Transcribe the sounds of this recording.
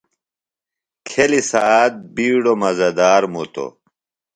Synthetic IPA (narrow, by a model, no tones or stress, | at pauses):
kʰelisaaːt̪̚biːɽomɐzɐd̪aːɾmut̪o̰